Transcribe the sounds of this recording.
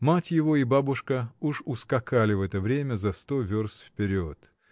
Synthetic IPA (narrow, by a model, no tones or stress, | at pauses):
matʲjɪvo̞ibabʊʂkəuʂʊskɐkalʲɪvɛt̪əvɾʲemʲəzɐst̪ovʲorsfpʲɪɾʲot̪